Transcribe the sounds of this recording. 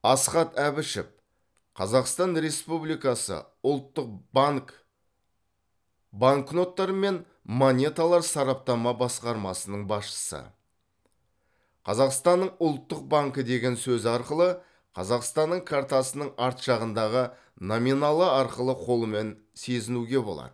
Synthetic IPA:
ɑsqɑt̪æbɪʃɪ̰p̚ | qʰɑzɑqst̪ɑnɾe̞spublijkɑsə̰ | ʊlˠt̪ːəq̚bŋk | baŋkno̞t̪ːɑɾəme̞n | monʲe̞t̪alˠɑɾsɑɾɑp̚t̪ɑmɑbɑsqɑɾmɑsənəɴbɑsʃə̥sə̰ | qʰɑzɑqst̪ɑnːəɴʊlˠt̪ːəq̚baŋkəd̪e̞ɡʲe̞nsɵzɑɾqəlˠə | qʰɑzɑqst̪ɑnːəɴkʰaɾt̪asənəɴɑɾt̪ʃɑʁənd̪ɑʁə | nominɑlˠəɑɾqəlˠəqʰo̞lˠəme̞n | se̞zɪnuɡʲe̞bo̞lˠɑ̰d̪̥ə

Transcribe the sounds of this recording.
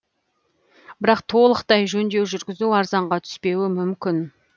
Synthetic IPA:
bɪɾɑqt̪ʰo̞lˠəqt̪ɑjʒɵnd̪e̞wʒʏɾɡʲɪzuwɑɾzɑɴʁɑt̪ʰʏ̥spe̞wɪmʏmkʲɪn

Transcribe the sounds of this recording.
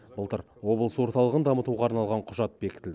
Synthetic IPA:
bəlˠt̪ə̰ɾ | wo̞bəlˠswo̞ɾt̪ɑlˠəʁənd̪ɑmət̪uʁɑːɾnɑlˠʁɑɴqʰʊʒɑt̪̚be̞kʲɪ̥t̪ɪld̪ɪ

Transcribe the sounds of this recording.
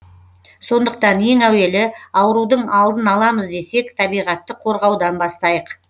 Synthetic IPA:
so̞nd̪əq̚t̪ɑne̞ŋæwe̞lɪɑwəɾud̪əɴɑlˠd̪ənɑlˠɑməzd̪e̞se̞kt̪ʰɑbijʁɑt̪ːəqʰo̞ɾʁɑwd̪ɑnbɑst̪ɑjəq

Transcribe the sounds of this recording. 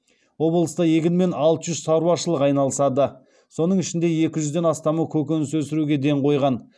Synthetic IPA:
wo̞blˠəst̪ɑje̞ɡʲɪnme̞nɑlˠt̪əʒʏzsɑɾuwɑʃəlˠəqɑjnɑlˠəsɑd̪ə | so̞nəɴɪʃɪnd̪e̞je̞kʲɪʒʏzd̪e̞nɑst̪ɑməkʲʰɵkʲe̞nɪswɵsɪɾuɡʲe̞d̪e̞ɴqʰo̞jʁɑn

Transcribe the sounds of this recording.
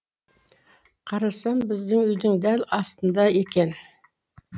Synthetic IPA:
qʰɑɾɑsɑmbɪzd̪ɪŋʏjd̪ɪŋd̪ælɑst̪ənd̪ɑe̞kʲe̞n

